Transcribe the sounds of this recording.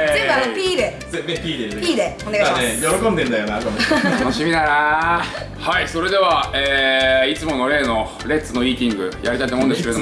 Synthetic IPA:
zekapʲiːɾe | zed̪ẽpʲiːɾepʲiːɾeoneɡaaimnejo̞ɾokond̪ẽnd̪ajoːneaɾk̪omoanoɕimʲinaɾa | haiso̞ɾe̞d̪e̞βaeːit͡sɨmo̞no̞ɾe̞ːno̞ | ɾe̞t͡sɨno̞iːt̪ʲĩŋɡɯ̟̰jaɾʲit̪ait̪omoɯ̃nd̪skeeo

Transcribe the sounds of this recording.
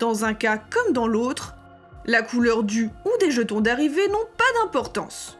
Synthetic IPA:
d̪̥ɑ̃zɛ̃kakɔmd̪ɑ̃lot̪χ | lakʰulœʁd̪yud̪eʒət̪ɔ̃d̪aʁivenɔ̃pad̪ɛ̃pɔʁt̪ɑ̰̃s

